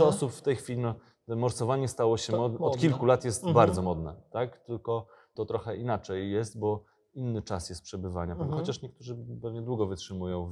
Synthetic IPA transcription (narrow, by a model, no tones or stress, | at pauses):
ɔsupft̪ɛjxfʲilʲinɔ | t̪ɛmɔɾsɔvaɲɛst̪awɔɕɛmɔɔt̪kʲilkulat̪jɛst̪baɾd̪zɔmɔd̪nɛ̰t̪akt̪ɘlkɔt̪ɔt̪ɾɔxɛʔinat͡ʂɛjːɛst̪bɔ | inːɘt͡ʂasjɛst̪̚pʂɛbɘvaɲaɔt͡ɕaʂɲɛk̚t̪uʐɘpɛvɲɛd̪wuɡɔvɘtʂɘmujɔ̃w̃